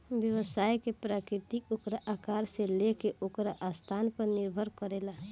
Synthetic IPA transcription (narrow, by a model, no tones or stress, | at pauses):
bjəʋəsaːjkepɾaːkɾɪt̪ikokɾaʔakaːɾselekeʔokɾaʔast̪ʰaːnpəɾnɪɾbʱəɾkəɾela